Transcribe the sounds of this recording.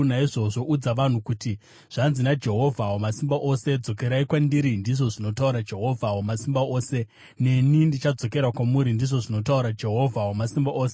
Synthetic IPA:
naiʐo̞ʐo̞ʔud͡zaʋan̤ukuti | ʐ̥anzinad͡ʒe̞ɦo̞vʱawomasimbaʔo̞se̞d͡zo̞ke̞ɾaikwandiɾindiʐo̞ʐino̞tauɾad͡ʒe̞ɦo̞vʱawomasimbaoːse̞ | ne̞nindit͡ʃad͡zo̞ke̞ɾakwamuɾindiʐo̞ʐino̞tauɾad͡ʒe̞ɦo̞vʱawomasimbaʔoːse

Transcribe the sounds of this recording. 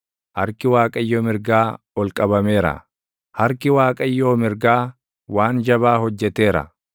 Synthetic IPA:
hɐɾkɪwaːkʼɐɪjːoːmɪɾɡaː | ɔlkʼɐbɐme̞ːɾɐ̰ | hɐɾkɪwaːkʼɐɪjːoːmɪɾɡaː | waːnd͡ʒɐbaːhɔd͡ʒːɛt̪e̞ːɾɐ̰

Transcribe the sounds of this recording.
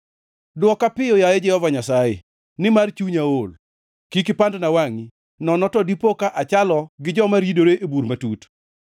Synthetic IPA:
dwɔkapɪjɔjajed͡ʒɛhɔvaɲasajḛ | nɪmart͡ʃuɲaol | kikɪpandnawaŋi | nɔnɔtɔdipokaʔat͡ʃalɔɡɪd͡ʒɔmaɾidoɾeʔebuɾmatut

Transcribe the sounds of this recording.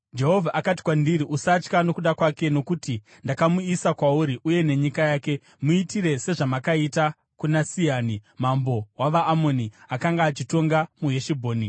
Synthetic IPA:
d͡ʒe̞ɦo̞vʱaʔakat̬i̥kwandiɾiʔusat͡ʃkano̞kuɗakwake̞no̞kuti | ndakamuisakwauɾiʔuje̞ne̞ɲikajaːke̞ | muitiɾe̞se̞ʐamakaita | kunasiaːnimambo̞waʋaʔːmo̞niakaŋɡaːt͡ʃito̞ŋɡamuɦeʃibʱo̞ːni

